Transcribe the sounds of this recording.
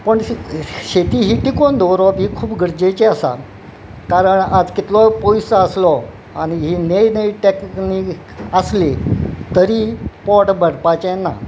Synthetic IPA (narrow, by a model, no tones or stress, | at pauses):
pəɳɕet̪iːɦiːʈ̪ikond̪ʱɔɾɔbɦiːkʰuːpɡʱəɾd͡ʑet͡ɕeasa̰ | kaɾəɳad͡zkit̪lɔpɔjsəəslɔ | añiɦiːnejnəiʈeknikkəslet̪əɾiːpɔʈbəɽpat͡ɕeɛnːa̰